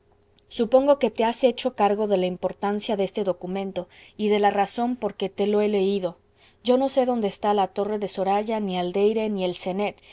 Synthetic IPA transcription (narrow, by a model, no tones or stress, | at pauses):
supo̞ŋɡo̞ke̞t̪e̞ase̞t͡ʃo̞kaɾɣo̞ðe̞laimpo̞ɾt̪ansjaðe̞st̪e̞ðo̞kumẽ̞nt̪o̞iðe̞laraso̞mpo̞ɾket̪e̞lo̞e̞le̞iðo̞ | ɟ͡ʝo̞no̞se̞ðo̞nd̪eːst̪alat̪o̞re̞ðe̞so̞ɾaʝaniald̪e̞jɾe̞nie̞lse̞ne̞t̪